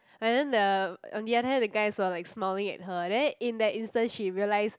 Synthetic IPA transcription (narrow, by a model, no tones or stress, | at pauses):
ɛ̃ndɛ̃ndəɔ̃ndiadəhɛ̃ndəɡaɪswəlaɪksmaɪlĩŋɛ̰t̚ɦədɛ̃nĩndɛtĩnstə̃nsʃiɹiəlaɪs